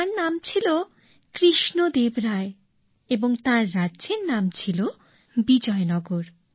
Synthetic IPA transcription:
aɾnamt͡ɕʰilo | kɾiʃnod̪ebɾae | eboŋt̪ãɾːadd͡ʑeɾnamt͡ɕʰilo | bid͡ʑɔenɔɡoɾ

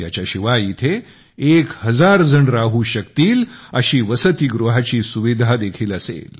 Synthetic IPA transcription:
ja̰t͡ɕjaɕiʋajit̪ʰe | ekhəd͡zaɾd͡zəɳɾaɦuːɕəkt̪iːləɕiːʋəsət̪iːɡɾuɦat͡ɕiːsuʋid̪ʱad̪ekʰiːləsḛl

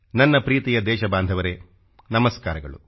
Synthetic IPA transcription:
nɐnːɐpɾiːt̪ijɐd̪ɛːʃɐbaːnd̪ʱɐʋɐɾe | nɐmɐskaːɾɐɡɐ̰ɭṵ

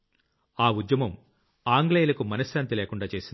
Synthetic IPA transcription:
aːud̪jɐmɐm | aːŋɡleːjlɐkumɐnɐsjaːnt̪ileːkuɳɖaːt͡ʃe̞ːsind̪

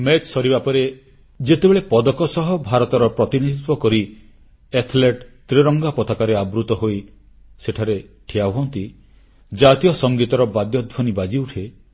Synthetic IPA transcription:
met͡ʃsɔɾibapɔɾe | d͡ʒet̪ebeɭepɔd̪ɔkɔsɔɦɔbʱaɾɔt̪ɔɾɔpɾɔt̪inid̪ʱit̪wɔkɔɾi | et̪ʰleʈt̪ɾiɾɔŋɡapɔt̪akaɾeabɾut̪ɔɦoj | seʈʰaɾeʈʰijauɦɔnt̪i | d͡ʒat̪ijɔsɔŋɡit̪ɔɾɔbad̪jɔd̪bʱɔnibad͡ʒiuʈʰe

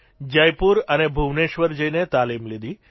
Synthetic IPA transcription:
d͡ʒəjpuɾənebʱuʋneʃʋəɾd͡ʒəinet̪alimlid̪i

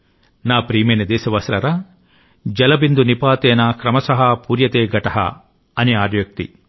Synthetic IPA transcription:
naːpɾiːmeːnɐd̪eːsɐʋɐsɾɐɾɐ | d͡ʒɐlɐbind̪unipaːt̪eːnaːkɾɐmɐsɐɦɐpuːɾjɐt̪eːɡɐʈɐɦɐ̰ | ɐniaːɾjɐk̚t̪ḭ

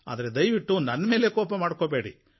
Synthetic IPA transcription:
a̰ːd̪ɐɾed̪ɐjʋiʈːunɐnːɐme̞ːle̞kɔːpɐmaːɽkobe̞ːɽi

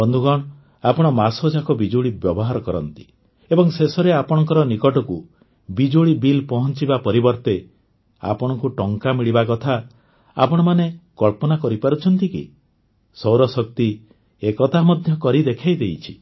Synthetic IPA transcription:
bɔnd̪ʱuɡɔɽ̃ | apɔɽ̃ɔmasɔd͡ʒakɔbid͡ʒoɭibjɔbɔɦaɾɔkɔɾɔ̰nt̪i̥ | ebɔŋsesɔɾeapɔɽ̃ɔŋkɔɾɔnikɔʈɔku | bid͡ʒoɭibilpɔɦɔnt͡ʃibapɔɾibɔɾt̪e | a̰pɔɽ̃ɔkuʈɔŋkamiɭibakɔt̪ʰa | a̰pɔɽ̃ɔmanekɔɭpɔnakɔɾipaɾut͡ʃʰɔnt̪ikḭ | sɔwɾɔsɔk̚t̪i | ekɔt̪ʰamɔd̪ʱjɔkɔɾid̪ekʰajd̪ejt͡ʃʰi̥

